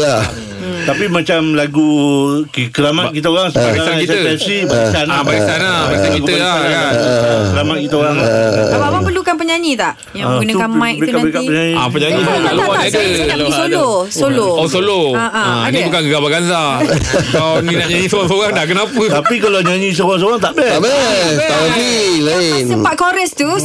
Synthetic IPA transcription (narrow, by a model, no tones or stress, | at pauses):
a | t̪apimãt͡ʃamlaɡukkəɾamat̪kit̪̬əoɾaŋsəbaaakisəɛfsibaisanabaisanabaalkakiɡut̪əlaankəɾamat̪̚kit̪əoɾaŋlaababapəlukanpəɲaɲĩt̪aʔ | jaɡunəkanmãjk̚t̪uəɲaɲiapəɲãɲisoolanadəoosoloosoloaʔaanibukankəɡabaɡanzakawninaʔɲaɲisoɣaŋsoɣaŋdakənapət̪apikalaɲaɲĩs̬oɣaŋs̬oaŋt̪aʔbɛbɛt̪aaɡilaɪnəpakoɾɛst̪u